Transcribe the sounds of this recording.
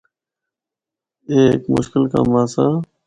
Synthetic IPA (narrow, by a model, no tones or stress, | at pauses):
eːkmʊ̰ʃkɪlka̰ːmãːsãː